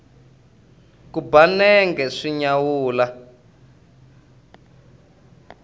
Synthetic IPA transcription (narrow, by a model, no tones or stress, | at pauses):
kubanɛŋɡɛʂiɲawuːla